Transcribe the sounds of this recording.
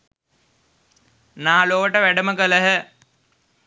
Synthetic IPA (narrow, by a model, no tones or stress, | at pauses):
naːloːəʈəʋæɖəməkələɦə